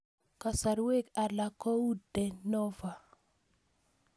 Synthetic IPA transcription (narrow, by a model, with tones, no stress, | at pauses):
ka˨sa˨ɾwe˦˨ka˨la˨kɔ˦u˦dɛ˨nɔ˦va˨